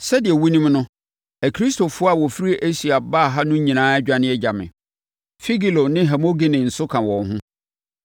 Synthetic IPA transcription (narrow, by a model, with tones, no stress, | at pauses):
sɛ˦dɪ˨ɛ˨wu˦nĩ˦mnʊ̃˦ | æ˨kʰɾi˦sto˨fʊ˦ɔ˦a˨wɔ˨fi˦ɾi˦ʔæ˦si˨a˨baː˦˨ɦa˦nʊ̃˦ɲĩ˨nãː˦æ˦d͡ʑᶣa˦nɪ̃˦ɛ˦d͡ʑa˨mɪ̰̃˨ | fi˦ɡi˨lo˨nɪ̃˦ɦɛ˨mo˦ɡi˦nɪ̃˨n̩˨sʊ˦kʰã˨wɔ̃˨nɦʊ̃˦